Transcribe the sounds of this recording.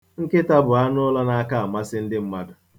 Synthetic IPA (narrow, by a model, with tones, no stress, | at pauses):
ŋ̩˦kɪ˦ta˦bʊ˨a˦nʊ˦ʊ˦la˦na˦ka˦˨a˨ma˦sɪ˦n̩˦dɪ˦m̩˦ma˦dʊ˨